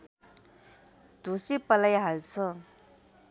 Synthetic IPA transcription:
d̪ʱusipəlajɦalt͡sʰʌ

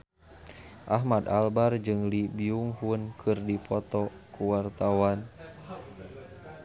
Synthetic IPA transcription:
ʔaɦmad̪albard͡ʒɨŋlibiuŋhunkʰɨrdipʰɔt̪ɔkuwart̪awan

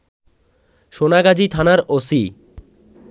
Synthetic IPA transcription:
ʃonaɡad͡ʑit̪ʰanaɾosi

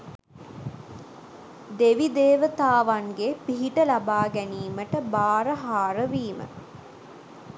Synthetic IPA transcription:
d̪eʋid̪eːʋət̪aːʋaŋɡepiɦiʈəlabaːɡæniːməʈəbaːɾəɦaːɾəʋiːmə̰

